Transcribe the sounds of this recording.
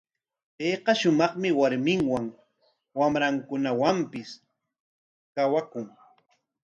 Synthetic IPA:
peːqɑʃʊmɑχmɪwaɾmɪŋwaŋ | wamɾaŋkʊnawampɪs | kawakʊŋ

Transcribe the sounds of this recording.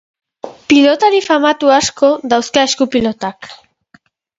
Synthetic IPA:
pilot̪aɾifamat̪uasko̞ðawskaeskupilo̞t̪ak

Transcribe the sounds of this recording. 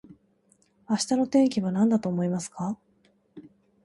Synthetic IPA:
aɕi̥t̪ano̞t̪ẽ̞ŋkʲiβanãnd̪at̪o̞ːmo̞imasɨ̥ka

